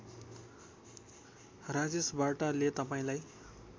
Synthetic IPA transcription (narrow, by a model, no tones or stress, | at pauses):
rad͡zesbaʈʌlet̪ʌpaĩlaj